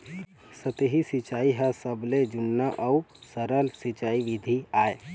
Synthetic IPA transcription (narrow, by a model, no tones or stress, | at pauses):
sət̪eɦisɪt͡ʃaːiɦɛsəbled͡ʒʊnːaʔɐusəɾəlsɪt͡ʃaːiʋɪd̪ʱiaːe